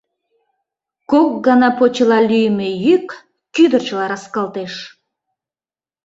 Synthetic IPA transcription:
kok̚ɡɑnɑpot͡ɕilɑlyjmejykː | yd̪ə̆rt͡ɕəlɑɾɑskɑlˠt̪eʃ

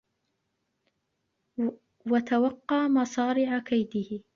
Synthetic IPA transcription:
wat̪awɑqːɑːmɑsˤɑːɾɪʕakajd̪ɪhɪ

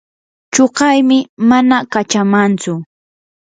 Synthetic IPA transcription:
t͡ʃoɢɑjmɪmanakat͡ʃamant͡sʊ

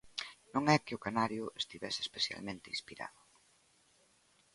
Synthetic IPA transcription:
nõŋɛkɪʊkanaɾjʊest̪iβɛseːspeθja̰lmẽnt̪einspiɾa̰ðʊ

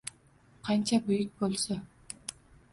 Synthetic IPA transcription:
qʰɑnt͡ʃabujyk̚bolˠso

